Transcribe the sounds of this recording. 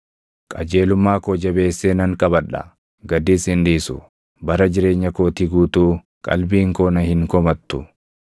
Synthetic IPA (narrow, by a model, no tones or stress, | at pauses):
kʼɐd͡ʒe̞ːlʊmːaːkoːd͡ʒɐbe̞ːsːeːnɐŋkʼɐbɐᶑɐ̰ | ɡɐd̪iːshɪnd̪iːsʊ | bɐɾɐd͡ʒɪɾe̞ːɲːɐkoːt̪iɡuːt̪uː | kʼɐ̰lbiːŋkoːnɐhɪŋkɔmɐt̪ːʊ